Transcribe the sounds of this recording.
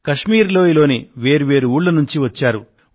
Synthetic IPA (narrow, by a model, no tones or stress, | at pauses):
kɐʂmiːɾlo̞ːilo̞ːniʋe̞ːɾuʋe̞ːɾuuːɭlɐnuɲt͡ʃiʋɐt͡ʃːaːɾu